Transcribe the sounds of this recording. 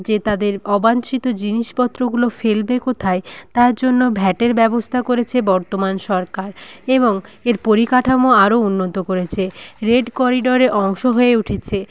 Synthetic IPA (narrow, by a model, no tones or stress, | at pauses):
d͡ʑet̪ad̪eɾɔbant͡ɕit̪od͡ʑiniʃpɔt̪ːɾoɡulofelbekot̪ʰaet̪aɾd͡ʑonːobʱɛʈeɾbɛbost̪ʰakoɾet͡ɕʰebɔɾt̪omanʃɔɾkaɾeβoŋeɾpoɾikaʈʰamoaɾounːot̪okoɾet͡ɕʰeɾeɖkɔɾiɖoɾeʔɔŋʃoɦoeuʈʰet͡ɕʰe